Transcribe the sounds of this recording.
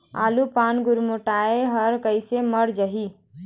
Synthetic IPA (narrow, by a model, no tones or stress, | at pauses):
a̰lupanɡuɾmoʈaeɦəɾkəɪseməɾd͡ʒəɦi